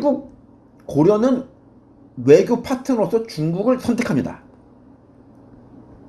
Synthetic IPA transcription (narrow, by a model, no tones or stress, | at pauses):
ɡuk̚ | koɾjʌnɯn | we̞ɡjopʰatʰɯŋɾos͈ʰʌt͡ɕuŋɡuɡɯɭsʰʌntʰekʰamɲida̰